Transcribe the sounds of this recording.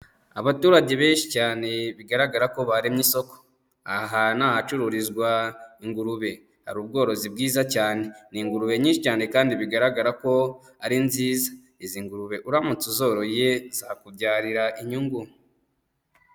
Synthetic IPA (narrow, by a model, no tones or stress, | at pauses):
aβatuːɾaɟe̞βe̞ːnʃi̥caːne̞βiɡaɾaɡaɾako̞βaɾimɲiso̞ko̥ | aɦanaːhat͡ʃuɾuɾizɡwaiŋɡuɾuβe̞ | ha̰ɾuːb̚ɡo̞ːɾo̞zib̚ɡiːzacaːne̞niŋɡuɾuβe̞ɲiːnʃicaːne̞kaːndiβiɡaɾaɡaɾako̞ | aɾinziːzḁ | iziŋɡuɾuβe̞ʔuɾamut͡suzo̞ːɾo̞jezakubɟaːɾiɾaʔiɲuŋɡum